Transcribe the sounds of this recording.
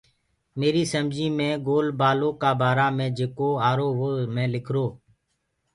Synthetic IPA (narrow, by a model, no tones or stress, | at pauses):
meːɾiːsəmd͡ʒĩːmẽːɡoːlbaːloːkaːbaːɾaːmẽːd͡ʒeːkoːaːɾoːɦoːmẽːlɪkʰɾoː